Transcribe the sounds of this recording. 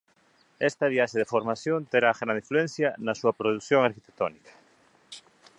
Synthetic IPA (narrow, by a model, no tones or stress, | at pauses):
ɛst̪aβiaʃeðefoɾmaθjont̪eɾaɣɾand̪ifluɛn̟θjanasuɐpɾoðuθjoŋaɾkit̪e̥k̚t̪onikḁ